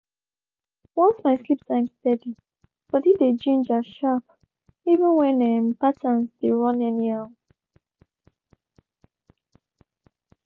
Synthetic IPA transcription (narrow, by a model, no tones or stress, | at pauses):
wɔ̃nsmaɪslipsãɪ̃ŋstɛdli | b̥ɔtivded͡ʒĩnd͡ʒaʃap̚ | ivə̃nwɛ̃nɛmpatənsdeɹɔ̃nɛniaʊ